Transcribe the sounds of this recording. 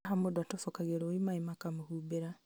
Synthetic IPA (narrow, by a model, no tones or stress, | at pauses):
ɦamodwatofokaɣeɾoimaimakamuhubeɾa